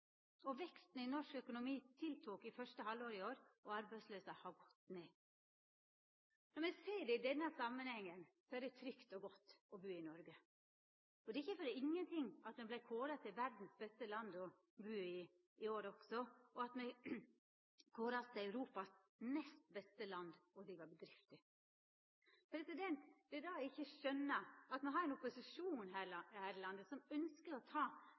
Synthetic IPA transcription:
ɔʋɛkst̪n̩ɪnɔʂkœkʊnʊmiːt̪ʰɪlt̪ʰuːkɪfœʂtəhɑlːoːɾɪoːɾɔɑɾbæɪsløːsɑhɑɡɔt̪ːneː | nɔɾmɛɡseːɖɛɪd̪ɛnːəsɑmːənhɛŋːənsɔæɾɖɛt̪ʰɾʏkt̪ɔɡɔt̪ːɔbʉːɪnɔɾɡə | ɔd̪ɛɪçːəfɔɾɪŋːənt̪ʰɪŋːɑt̪mɛblæɪkʰoːɾɑt̪ʰɪlʋæɾd̪n̩sbɛst̪əlɑnd̪ɔ | bʉːɪ | ɪoːɾɔɡ̥sɔɔɑt̪mɛɪ | kʰoːɾɑt̪ʰɪlœʉɾuːpɑs | nɛst̪bɛst̪əlɑnd̪ɔd̪ɾiːʋɑbəd̪ɾɪft̪ɪ | fɔɾd̪ɛt̪ːəd̪ɛd̪̥ɛd̪ɑɪçːəʂœnːəɑt̪mɛnɦɑɾɛnɔpʊsɪʂuːnɦæːhæːɾəlɑnd̪əsɔmœnskəɾɔt̪ʰɑː

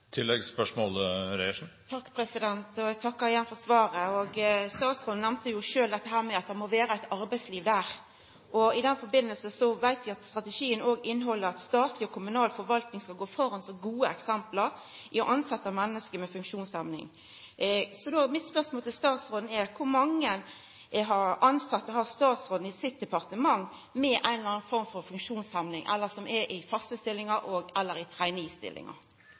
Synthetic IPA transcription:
t̪ʰɪlːɛɡspœʂmoːlɾɛɪʂn̩t̪ʰɑkːpʰɾɛsɪd̪ɛnt̪ɔɛɡt̪ʰɑkːəɪjɛnfɔsʋɑːɾəɔɡst̪ɑːt̪sʁoːd̪n̩ɛmnt̪əjʊʂøːld̪ɛt̪ːəɦæːɾmɛɑt̪̚d̪ɛmɔʋæːɾəæɪt̪ɑɾbæɪsliːʋd̪æːʁ | ʔɔɪd̪ɛnfɔɾbɪnːəlsəsɔʋæɪt̪ʋɪɑt̪st̪ɾɑt̪ɛʃiːənoːɡɪnːɦɔlːəɾɑt̪st̪ɑːt̪lɪɔkʰʊmʉnɑːlfɔɾʋɑlt̪nɪŋskɑlɡoːfɔɾɑnsɔɡuːəɛksɛmpləɾ | ʔɪɔʔɑnsɛt̪ːəmɛnːəskəmɛfʉŋkʂuːnshɛmnɪ̰ŋ | sɔd̪omɪt̪spœʁsmoːlt̪ʰɪlst̪ɑːt̪sʁoːd̪n̩ɛɾkʰʊɾmɑŋːən | ɦɑɾɑnsɑt̪ːəhɑʁst̪ɑːt̪sʁoːd̪n̩ɪsɪt̪̚d̪ɛpɑʁt̪əmɑŋ | mɛʔæɪnlɑːnfɔɾmfɔɾfʉŋkʂuːnshɛmnɪŋʔɛ̰lːəsɔmʔɛʔɪfɑst̪əst̪ɪlːɪŋɑʔɔːɡɛlːəɾɪt̪ʰʁæɪnist̪ɪ̰lːɪ̰ŋɑ̰

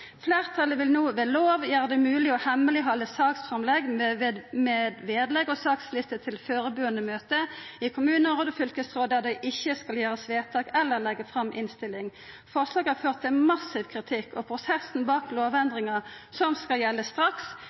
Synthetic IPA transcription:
fleːʁt̪ʰɑləʋɪlnuːʋɛːloːʋjæːʁəd̪ɛmʉːlɪɔhɛməlɪɦɑlːəsɑːksfʁɑmlɛɡ̪ | mɛd̪ʋeːd̪lɛɡɔsɑːkslɪst̪ət̪ʰɪlføːɾəbʉːənəmøːt̪əɪkʰʊmʉːnəʁoːd̪əfʏlkəsʁoːd̪æʁd̪æɪʔɪçːəskɑljæːʁəsʋeːt̪ʰɑːkɛlːəʁlɛɡːəfʁɑmʔɪ̰nst̪ɪlɪŋ | fɔʁʂlɑːɡhæʁføːʁt̪ʰːɪmɑsɪʋkʰʁɪt̪ʰɪkːɔpʰʁʊsɛsn̩bɑːkloːʋɛnd̪ʁɪŋɑsɔmskɑljɛlːəst̪ʁɑks

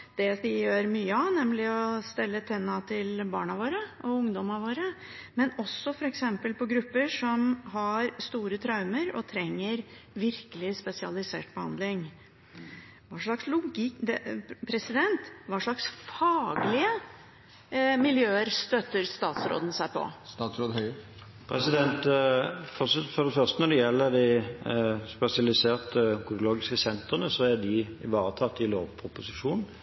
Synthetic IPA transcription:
d̪̥ɛd̪ɪjøːɾmyːəɑnɛmlɪɔst̪ɛlːət̪ʰɛnːɑt̪ʰɪlbɑ̰ːɳɑʋoːɾəʔɔʊŋd̪ɔmɑʋoːɾə | mɛnɔsːɔfɔɾɛksɛmpəlpɔɡɾʉpːəʂɔmɦɑɾst̪uːɾət̪ʰɾɑʉməɾɔ̰t̪ʰɾɛŋːəɾʋɪɾkəlɪspɛsɪɑ̰lɪsḛːʈ̚b̥əhɑ̰nd̪lɪŋ | ʋɑːʂɭɑkslʊɡɪd̪ɛpʰɾɛsɪd̪ɛnt̪ʋɑːʂɭɑksfɑːɡlɪə | mɪljøːəɾst̪œt̪ːəɾst̪ɑːt̪sɾo̰ːd̪n̩sæɪpʰɔ̰ɑt̪sɾoːd̪h | pʰʁɛsɪd̪ɛnt̪fɔsfɔʁd̪ɛfœʁst̪ənɔd̪ɛjɛlːəd̪ɪ | spɛsɪɑlɪseːʁt̪əkʰʊɾloːɡɪskəsɛnt̪ʁənəsɔæd̪ɪɪʋɑːɾət̪ʰɑt̪ːɪlo̰ːʋpʰʊpʊsɪʂuːnn̩

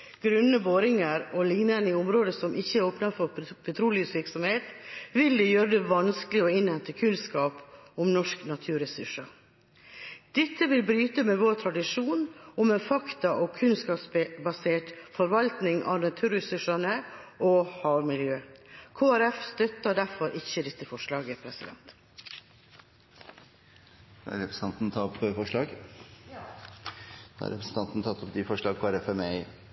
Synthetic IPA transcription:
ɡ̥ɾʉnːəboːɾɪŋəɾɔlɪŋnənəɪʊmɾoːd̪əsɔmʔɪçːəɾoːpnɑfɔɾpʰɛt̪ʰɾuːlɪʉsʋɪɾksɔmheːt̪ʋɪld̪ɛjøːɾəd̪ɛʋɑnskəlɪɔɪnhɛnt̪əkʰʉnskɑːpɔmnɔʂknɑt̪ʰʉːɾɛsʉʂɑ | d̪̥ɛt̪ʰːəʋɪlbɾyːt̪əmɛʋoːɾt̪ʰɾɑd̪ɪʂuːnʊmɛnfɑkt̪ɑʔɔkʰʉnskɑpsbbɑseːʈfɔɾʋɑlt̪nɪŋʔɑ̰ːnɑt̪ʰʉːɾəsʉʂɑnəʔoːhɑːʋmɪljøːkʰoːæɾɛfst̪œt̪ːɑɖæɾfɔɾʔɪçːəd̪ɛt̪ːəfɔʂɭɑːɡəpʰɾɛsɪd̪ɛ̰nt̪ | dæ̰ɾɛpɾəsɑnt̪nt̪ʰɑpfɔʂɭɑːɡ | d̪̥̰æ̰ɾɛ̰pɾəsn̩t̪ɑnt̪n̩t̪ʰɑt̪ːɔpd̪ifɔʂɭɑːɡ̚kʰoːæɾɛfɛmɛɪ

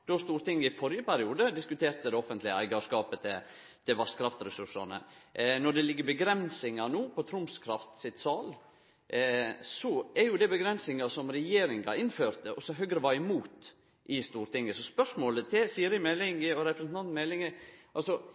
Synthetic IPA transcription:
d̪̥ɔst̪uːɾt̪ɪŋːɪfɔɾjəpæɾɪuːd̪əd̪ɪskʉt̪ʰeːɾt̪əd̪ɛɔfənt̪lɪəæ̰ɪɡɑʂkɑːpət̪ʰɪl | t̪ʰɪlʋɑskʰɾɑft̪sɾɛsʉʂɑ̰nə̰nɔɖɛlɪɡːəɾbəɡɾɛnsɪŋɑnuːpʰɔt̪ʰɾʊmskʰɾɑft̪sɪt̪sɑːl | sɔɛɾjʊd̪ɛbəɡɾɛnsɪŋɑsɔmɾɛjeːɾɪŋɑ̰ɪnːføːɾt̪əʔɔsɔɦœɡɾəʋɑɪmuːt̪ | ʔɪst̪uːɾt̪ɪŋːəsɔspœʂmoːlət̪ʰɪsiːɾɪmɛlɪŋɪɔɾɛpɾəsnɑnt̪mɛlɪŋəʔɑlsɔ

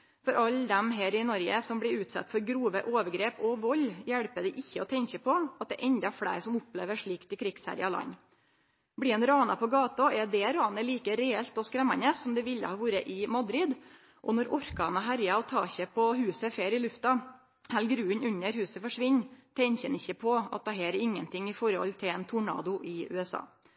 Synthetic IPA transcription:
fɔɾʔɑld̪ɛmɦeːɾɪnɔɾɡə̰sɔmbɽɪʉːt̪sɑ̰t̪ːfɔɾɡɾuːʋəʔoːʋəɾɡɾeːpɔʋɔlːjæɽpəd̪ɛʔɪçːəɔt̪ʰɛɲçəpʰɔɑt̪̚d̪ɛ̰ʔɛnd̪ɑfɽæ̰ɪɾsɔmʊplḛːʋəʂɭiːkt̪ɪkʰɾɪɡ̥sæ̰ːɾɪ̰ɑlɑ̰nː | bɽɪɛnɾɑːnɑpʰɔɡɑːt̪ɑɛd̪ɛɾɑːnəliːkəɾɛɛlt̪ɔskɾɛmːɑ̰nəsːɔmd̪ɛʋɪlːə̰hɑːʋuːɾəʔɪmɑd̪ɾɪd̪ | ʔɔnɔɾʔɔɾkɑːnɑɦæɾjɑɔt̪ʰɑ̰ːçəpʰɔhʉːsəfeːɾɪlʉft̪ɑ | hælɡɾʉːənʉɲːəɾhʉːsəfɔʂʋɪɲːt̪ʰɛɲçənɪçːəpʰɔɑ̰t̪̚d̪ɛɦæːɾɾɪŋːənt̪ʰɪŋːɪfɔɾhɔ̰lt̪ʰɪlɛnt̪ʰʊɳɑ̰ːd̪ʊʔɪʉ̰ːɛsɑ̰ː

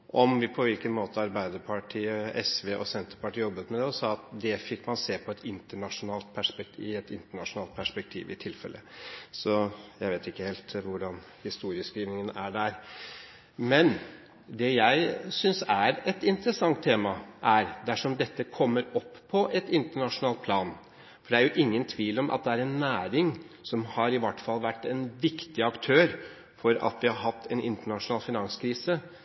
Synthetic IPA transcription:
ʔɔmʋɪpʰɔʋɪlkənmoːt̪əɑɾbæɪd̪əɾpʰɑʈʰiːəɛsʋeːʔɔ̰sɛnt̪əɾpɑʈiːjɔbːət̪mɛd̪ɛɔsɑːɑt̪̚d̪ɛfɪkːmɑnseːpʰɔɛt̪ʰɪnt̪əɳɑʂʊnɑːlt̪̚pʰæʂpɛk̚t̪ʰɪɛt̪ɪnt̪əɳɑʂʊnɑːlt̪̚pʰæʂpɛk̚t̪ʰḭːʋɪ̰t̪ʰɪlfɛ̰lʔə̰sɔjæɪʋeːt̪ɪkːəheːlt̪ʋʊɖɑn | hɪst̪uːɾɪəskɾiːʋnɪŋənæɖæɾ | mɛn | d̪ɛjæɪsʏnsæɾɛt̪ɪnt̪ɾəsɑŋt̪ʰːeːmɑʔæɾd̪æʂɔmd̪ɛt̪ːəkʰɔmːəɾɔpːpʰːɔʔɛt̪ɪnt̪əɳɑʂʊnɑːlt̪̚pʰlɑːn | fɔɖɛæɾjʊʔɪŋːənt̪ʰʋiːlɔmʔɑ̰t̪̚d̪ɛæɾɛnːæːɾɪŋsɔmhɑɾɪʋɑʈːfɑlːʋæʈːɛnʋɪkt̪ɪɑkt̪ʰøːɾ | fɔɾɑ̰t̪ʋɪhɑɾɦɑt̪ʰːɛnʔɪ̰nt̪əɳɑʂʊnɑːlfɪnɑŋskʰɾiːsə

